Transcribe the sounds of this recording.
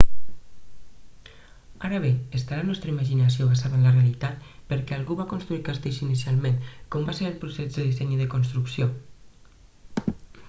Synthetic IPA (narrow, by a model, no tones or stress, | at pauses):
aɾəβ̞eest̪alanɔst̪ɾəimaʒinasioβasaðənlərealit̪at̪pəɾkɛalˠɣuβakonst̪ɾuiɾkast̪eʃinisialˠmenkɔmbaseɾəlpɾusezðeðisɛɲiðekonst̪ɾuksjo